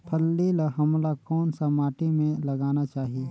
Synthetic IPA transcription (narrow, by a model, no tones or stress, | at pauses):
pʰəlːilaɦɐmlakɔːnsamaːʈimẽlɐɡaːnat͡ʃaːɦii